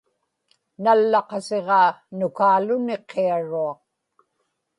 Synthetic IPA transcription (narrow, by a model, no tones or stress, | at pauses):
nalːɑqɑseʁɑːnʊkaːlʊne̞qʰːeaɻuɑq̚